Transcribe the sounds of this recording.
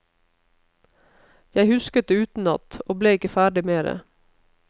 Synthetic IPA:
jæɪhʉskət̪̚d̪eːʉːt̪n̩ɑ̰t̪oːbleːɪkəfæːɖɪmeːɾə̰

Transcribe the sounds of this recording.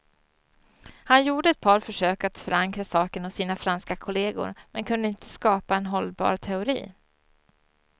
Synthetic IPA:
hanjuːɖəɛt̪̚pʰɑːɾfœʂøːkat̪fœɾaŋkɾasɑːkənhʊsːiːnafɾanskakʰʊleːɡʊ̰ɾmɛnkʰɵnd̪əɪnt̪ə̥skɑːpaɛnɦɔlbɑ̰ːɾt̪ʰɛʊɾḭː

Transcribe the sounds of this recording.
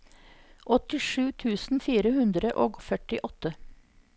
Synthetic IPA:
ʔɔt̪ɪʂʉːt̪ʰʉːsn̩fiːɾəhʉnd̪ɾəʔoːɡfœʈɪʔɔt̪ə

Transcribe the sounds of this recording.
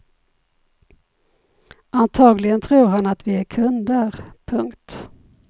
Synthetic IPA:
ant̪ʰɑːɡlɪɡənt̪ʰɾuːɾɦanat̪vɪækʰɵnd̪əɾpʰɵŋkt̪

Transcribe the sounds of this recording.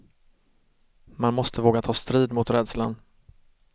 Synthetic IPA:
manmɔst̪ʰəvoːɡat̪ʰɑːst̪ɾiːd̪mʊt̪ɾɛːd̪slan

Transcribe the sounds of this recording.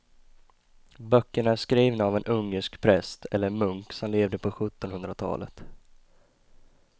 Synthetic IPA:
bœkːəɳæʂkɾiːvnaːvɛnʔɵŋːəʂkpʰɾɛst̪ʰɛlːəmɵŋksɔmleːvd̪əpʰɔɧɵt̪ːɔnhɵnd̪ɾat̪ʰɑ̰ːlə̰t̪

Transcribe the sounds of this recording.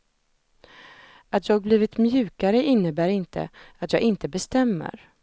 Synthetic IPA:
at̪jɑːɡ̚bliːvɪt̪mjʉ̟ːkaɾəʔɪnːəbæːɾɪnt̪ʰə̰at̪jɑːɡɪnt̪əbɛst̪ɛmːə̰ɾ

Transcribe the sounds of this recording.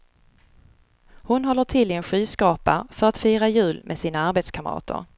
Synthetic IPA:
hʊnɦɔlːəʈʰɪlɪɛnɧyːskɑːpafœɾat̪fyːɾajʉ̟ːlmʔɛsiːnaaɾbeːt̪skʰaməɾɑ̰ːt̪ʰə̰ɾ

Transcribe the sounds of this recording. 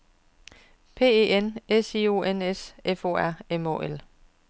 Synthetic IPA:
pʰe̝̰ːeːenesio̝ːenesʔefo̰æɐ̰emo̰ːʔel

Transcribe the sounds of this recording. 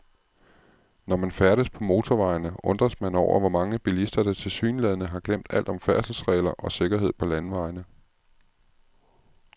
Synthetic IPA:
nɒmænfæɐɾ̥əspʰɒ̽mo̝ːt͡sʰɒʋɑ̈ɪnəʔɔ̽nd̥ʁɐsmænɒʊʔɐ̰ʋɒmɑ̈ŋəb̥ilisd̥ɐd̥æt͡sʰe̝lsy̰ːnlɛðˠnəɦɑ̈ɡ̥lem̰d̥æl̰d̥ɒ̽mfæɐsl̩sʁɛ̰ːɪlɐʔɒ̽se̝ɡ̥ɐɦe̝ð̞̰ˠpʰɒ̽lænʋɑ̈ɪnə

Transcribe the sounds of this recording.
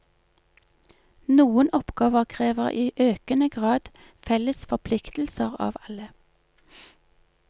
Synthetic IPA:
nuːənɔpɡ̥ɑːʋəʁkʰʁeːʋəʁiːʔøːkənəɡʁɑːd̪ | fɛləsfɔʁpʰlɪkt̪l̩səʁɑ̰ːʋɑlə

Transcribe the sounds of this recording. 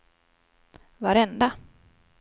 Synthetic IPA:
vaɾɛnd̪a

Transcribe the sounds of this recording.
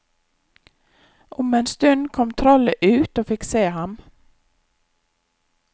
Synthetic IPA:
ʔʊmeːnst̪ʉnkʰɔmt̪ʰɾɔləʔʉːt̪oːfɪkseːhɑm

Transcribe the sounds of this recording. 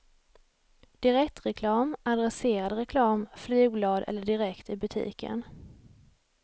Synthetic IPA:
d̪̥ɪɾɛk̚t̪ɾɛkʰlɑːmad̪ɾɛseːɾad̪ɾɛkʰlɑːmflyːɡ̚blɑːd̪ɛ̰lːəɖɪɾɛkt̪ɪbɵt̪ʰḭːkʰə̰n

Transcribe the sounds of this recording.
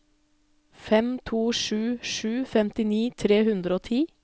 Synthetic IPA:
fɛmt̪ʰuːʂʉːʃʉːfɛmt̪ɪniːt̪ʰɾeːhʉnd̪ɾəoːt̪ʰiː

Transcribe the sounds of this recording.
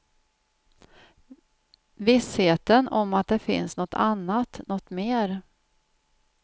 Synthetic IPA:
vɪsheːt̪ənɔmat̪̚d̪ɛfɪ̰nsnɔt̪ːʰa̰nːat̪nɔt̪meːɾ

